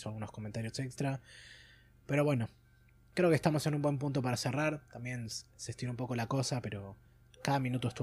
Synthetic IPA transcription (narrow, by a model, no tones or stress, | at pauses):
soalɣuno̞skoment̪aɾjo̞sekst̪ɾa | pe̞ɾo̞βwe̞no̞ | kɾe̞okest̪amo̞se̞numbwe̞mp̬unt̪opaɾaseraɾt̪ambje̞nsest̪inoũmp̬o̞ko̞lako̞sape̞ɾo̞ | kaðamĩnut̪oest̪u